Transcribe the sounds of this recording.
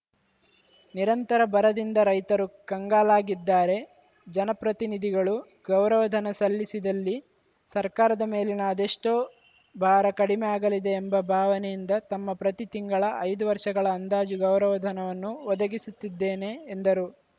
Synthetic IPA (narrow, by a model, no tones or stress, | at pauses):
niɾɐnt̪ɐɾɐbɐɾɐd̪ind̪ɐɾɐjt̪ɐɾukɐŋɡaːlaːɡid̪ːaːɾe̞ | d͡ʒɐnɐpɾɐt̪inid̪ʱiɡɐɭu | ɡɐwɾɐʋɐd̪ʱɐnɐsɐlːisid̪ɐlːi | sɐɾkaːɾɐd̪ɐme̞ːlinɐːd̪eʂʈoː | bʱaːɾɐkɐɽimɛaːɡɐlid̪e̞ːmbɐbʱaːʋɐnɛjind̪ɐt̪ɐmːɐpɾɐt̪it̪iŋɡɐɭɐʔɐjd̪uʋɐɾʂɐɡɐɭɐːnd̪aːd͡ʒuɡɐwɾɐʋɐd̪ʱɐnɐʋɐnːuʋɔd̪ɐɡisut̪ːid̪ːe̞ːneːnd̪ɐɾu